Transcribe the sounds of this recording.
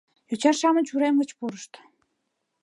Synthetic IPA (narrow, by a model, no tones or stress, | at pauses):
jut͡ɕɑrʃɑmənʲt͡ɕuɾemə̆t͡ɕpuɾə̆ʃt̪